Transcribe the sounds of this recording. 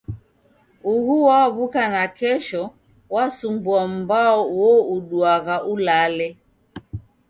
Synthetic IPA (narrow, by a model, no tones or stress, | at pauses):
uhuwaβukanakɛʃɔ | wasumbuam̩baɔwɔuɗuaɣaʔulalɛ